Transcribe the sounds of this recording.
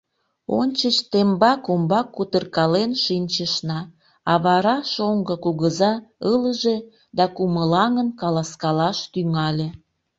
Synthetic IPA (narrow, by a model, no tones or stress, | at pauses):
onʲt͡ɕət͡ɕt̪embɑkumbɑkːut̪ərkɑlenʃinʲt͡ɕəʃnɑ | ɑβɑɾɑʃoŋɡəkuɣəzɑələʒe | d̪ɑkuməlɑŋənkɑlɑskɑlɑʃt̪yŋɑlʲe